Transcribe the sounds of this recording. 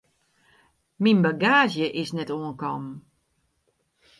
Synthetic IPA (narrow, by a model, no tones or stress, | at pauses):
minbaɡaːzjəʔɪsnɛtoənkɔm